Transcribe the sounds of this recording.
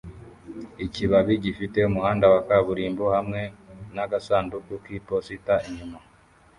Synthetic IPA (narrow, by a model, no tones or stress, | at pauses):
iciβaβiɟifite̞umuhaːndawakaβuɾiːmbohamŋe̞naɡasaːndukukipositaiɲuma